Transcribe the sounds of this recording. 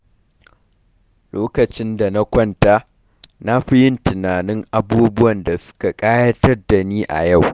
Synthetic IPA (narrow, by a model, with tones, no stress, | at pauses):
loː˦kɐ˨t͡ʃɪ˦nda˨na˦kʷɐ˦ntaː˦ | na˦ɸɪ˦jɪ˦ntɪ˨naː˨nɪ˦ŋʔa˦buː˦bʊ˦wɐ˨nda˨sʊ̥˦ka˨kʼaː˦jɐ˦tɐ˦rda˨niː˦ʔa̰˨ja˦˨w